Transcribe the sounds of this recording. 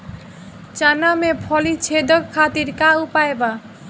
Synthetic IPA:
t͡ʃanamepʰɔlit͡ʃʰed̪ʱɔkkʰːat̪iɾkaupaeba

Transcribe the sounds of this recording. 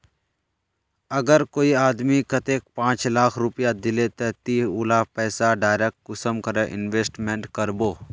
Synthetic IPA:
ɐɡəɾkoːiaːd̪mikɐt̪eːk̚pãːt͡ʃlaːkʰɾʊpjad̪ɪlet̪ɛt̪iːuːlapɛːsaɖaːɪɾek̚ʈ̚ʊsəmkɐɾeʔɪnʋeːsʈmẽɳʈkɐɾboː

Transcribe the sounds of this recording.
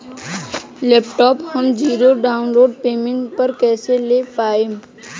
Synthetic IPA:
lɛːpʈɔːphəmd͡ʒiːɾoɖaːʊnloːɖ̚peːmẽɳʈpɐɾkɛːselepaːe

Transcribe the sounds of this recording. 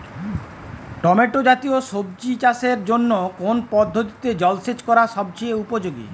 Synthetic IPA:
ʈɔmeʈod͡ʒat̪iosob̚d͡ʑit͡ɕaseɾd͡ʑonːokonpɔd̪ʱːot̪i̥t̪ed͡ʑɔlset͡ʃkɔɾaʃɔb̚t͡ɕʰieupod͡ʒoɡḭ

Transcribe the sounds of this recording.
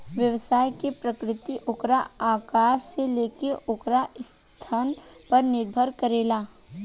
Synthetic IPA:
ʋjɐʋsaːjkepɾəkɾɪt̪iʔʊkɾaaːkaːʃseleːkeʔʊkɾaɪs | t̪ʰaːnpɐɾnɪɾbʱəɾkəɾeːlaː

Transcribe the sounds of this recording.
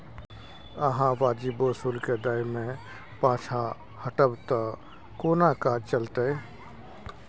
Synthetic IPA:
əɦãʋaːd͡ʒibosuːlked̪aːjmẽ | pãːt͡ʃʰa | həʈəbt̪a | koːnakaːd͡ʒt͡ʃəlt̪ee

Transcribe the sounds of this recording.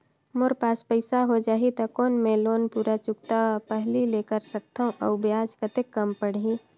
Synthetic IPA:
moɾpaːspəɪsaɦod͡ʒaːɦit̪ɐkoːnmẽloːnpuːɾat͡ʃʊkt̪apɛɦlileːkəɾsək̚t̪aɦũʔɐʊbjaːd͡ʒkət̪ekːɐmpəɽ̤ĩ

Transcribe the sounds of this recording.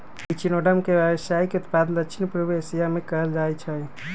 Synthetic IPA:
it͡ʃinoɖəmkebəbsaikeut̪pad̪ənd̪əkt͡ʃʰinpɾəbesijamekəɦəld͡ʒajt͡ʃʰə

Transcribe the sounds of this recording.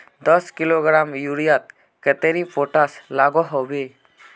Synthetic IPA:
d̪ɔskiloɡɾamjuɾijat̪̚ | kɛt̪eɾipoʈaslaɡɔɦɔbe

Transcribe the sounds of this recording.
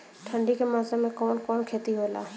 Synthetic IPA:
ʈʰəɳɖikemaːzemẽkɔːnkoːnkʰeːt̪iɦoːla̰ː

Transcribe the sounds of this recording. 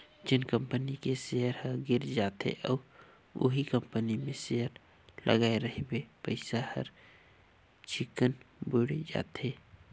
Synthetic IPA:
d͡ʒɪnkə̃mpənikeseəɾɦəɡɪɾd͡ʒaːt̪ɦḛʔɔːɾ | ʊ̰ɦikə̃mpənimẽseɦəɾ | lʔə̰ɡaːeɾəɦebepəɪsahə̰ɾ | t͡ʃɪkənbʊɽed͡ʒa̰ːt̪ɦeː

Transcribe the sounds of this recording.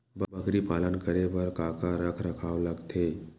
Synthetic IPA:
bbəɡɾipalənkəɾeʋəɾkakaɾəkʰɾəkʰaʋləɡt̪ʰe

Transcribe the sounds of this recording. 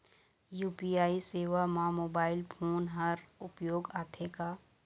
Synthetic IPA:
juːpiaːiseːʋamãmoːbaːɪlpʰoːnɦɐɾʊpjoːɡaːt̪ʰekaː

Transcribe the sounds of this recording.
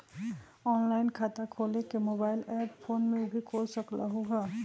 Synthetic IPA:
ɔːnlaːɪnkʰaːt̪akʰoːlekemoːbaːɪlɛːppʰoːnmẽʊbʱikʰoːlsəkla̰ɦuɦa

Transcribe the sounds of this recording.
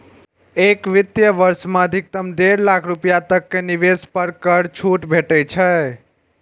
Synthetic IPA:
ekʋit̪jəʋəɾsmãəd̪ʱik̚t̪əmɖ̪eɾlakʰɾupijat̪əkːeniʋespəɾkəɾt͡ʃʰuʈbʱeʈət͡ʃʰə

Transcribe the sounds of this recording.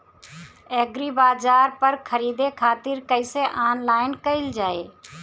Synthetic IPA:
ɛːɡɾiːbaːzaːɾpəɾkʰəɾiːd̪ekʰaːt̪ɪɾkəɪseʔaːnlaːɪnkəɪld͡ʒaːeː

